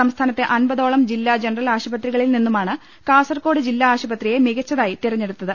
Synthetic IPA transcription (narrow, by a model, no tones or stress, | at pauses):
ɐmst̪ʰaːnɐt̪ːeʔɐnbɐðo̞ːɭɐmd͡ʑilːaːd͡ʑenɐrɐlaːɕɐbɐt̪riɣɐɭilninːumaːɳɨ | kaːsɐrko̞ːɽɨd͡ʑilːaaːɕɐbɐt̪rije̞miɣɐt͡ɕːɐðaːjit̪irɐɲːeɽut̪ːɐðɨ